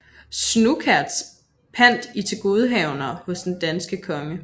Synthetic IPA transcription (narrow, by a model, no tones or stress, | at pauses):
snukʰæɐ̰d̥s | pʰæn̰d̥it͡sʰe̝lɡ̥o̝ð̞ˠəɦɛʊnɐhɔ̽sd̥end̥ænsɡ̥əkʰɒ̽ŋə